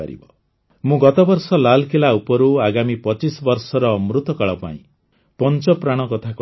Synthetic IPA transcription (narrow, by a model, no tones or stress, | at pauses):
a̰ɾḭbɔ | mũɡɔt̪ɔbɔɾsɔlalkʰilaupɔɾuaɡamipɔt͡ʃisɔbɔɾsɔɾɔːmɾut̪ɔkaɭɔpa̰ḭ̃ | pɔnt͡ʃɔpɾaɽ̃ɔkɔt̪ʰak